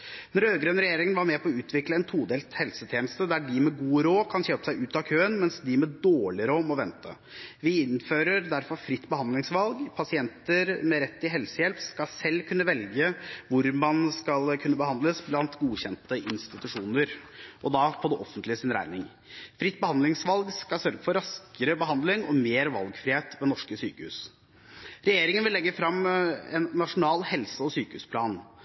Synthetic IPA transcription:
nɔɾøːɡɾøːnɾɛjeːɾɪŋənʋɑɾmɛpʰɔːʉːt̪ʰʋɪkləɛnt̪ʰuːd̪eːlt̪hɛlsət̪ʰɛːnst̪əd̪æɖɪmɛɡuːɾoːkʰɑnçøːpəsæɪʔʉːt̪ɑkʰøːənmɛnsd̪ɪmɛd̪oːɭɪɾoːmɔʋɛnt̪ʰə̰ | ʋɪɪnføːɾəɾd̪æɾfɔɾfɾɪt̪ːbəhɑnd̪lɪŋsʋɑlɡpʰɑsɪɛnt̪əɾmɛɾɛt̪ːɪɦɛlsəjɛlpskɑsɛlːkʰʉnːəʋɛlɡəʋʊɾmɑnskɑlkʰʉnːəbəhɑnd̪ləsblɑnt̪ɡuːçɛnt̪əʔɪnst̪ɪt̪ʉʂuːnəɾʔɔd̪ɑpʰɔd̪ɛʔɔfənt̪lɪəsɪnɾæ̰ɪnɪŋ | fɾɪt̪ːbəhɑnd̪lɪŋsʋɑlɡskɑlsœɾɡəfɔɾɑskəɾəbəɦɑnd̪lɪŋɔmeːɾʋɑ̰lɡfɾɪheːt̪ʋɛnɔʂkəsyːkəhʉ̰ːs | ɾɛjeːɾɪŋənʋɪlːɛɡːəfɾɑmɛ̰nːɑʂʊnɑːlhɛlsəɔsyːkəʉ̰ːspʰlɑːn

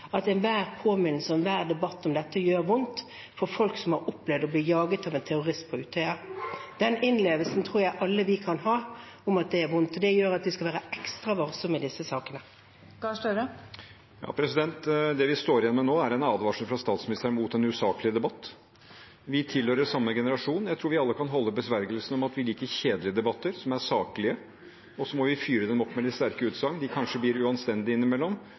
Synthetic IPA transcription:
ɑt̪ɛnʋæːɾpʰoːmɪnl̩səɛnʋæːʁd̪ɛbɑt̪ːɔmd̪ɛt̪ːəjøːɾʋʊnt̪ | fɔɾfɔlksɔmhɑɾʊpːlɛʋd̪ɔbliːjɑːɡət̪ɑːʋɛnt̪ʰɛɾʊʁɪspʰɔʉːt̪ʰœʏɑd̪̥ɛnɪnleːʋəlsn̩t̪ʰɾuːɾjæɪʔɑlːəʋɪkʰɑnhɑː | ʊmɑt̪̚d̪ɛːɾʋʊnt̪ɔd̪ɛjøːɾɑt̪ʋɪskɑʋæːɾəɛkst̪ɾɑʋɑɾsɔmːɪd̪ɪsːəsɑːkənə | kɑʂʈøɾə | jɑ̰ːpʰɾɛsɪd̪ɛnt̪d̪ɛʋɪst̪oːɾɪjɛnɔmɛnoːæɾɛnɑːd̪ʋɑːʂən̩fɾɑst̪ɑːt̪smɪnɪst̪əɾmuːt̪ɛnʉsɑːklɪəd̪ɛbɑt̪ː | ʋɪt̪ʰɪlhøːɾəʂɑmːəɡɛnəɾɑʂuːnjæɪt̪ʰɾuːʋɪɑlːəkʰɑnɦɔlːəbəsʋæɾɡəlsənɔmɑt̪ʋɪliːkəɾçeːd̪lɪəd̪ɛbɑt̪ːəɾsɔmæɾʂɑːklɪə | ɔsɔmɔʋɪfyːɾəd̪ɛmɔpːmɛlɪt̪st̪æɾkəʉːt̪sɑŋːnd̪ɪkʰɑnʂəblɪɾʉɑnst̪ɛnd̪ɪɪnːɪmɛlːɔm

